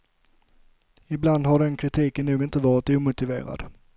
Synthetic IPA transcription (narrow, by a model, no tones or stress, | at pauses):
ɪbland̪haɖɛnkʰɾɪt̪ʰiːkənːuːɡɪnt̪əvɑːɾɪt̪uːmʊt̪ɪvḛːɾa̰d̪̥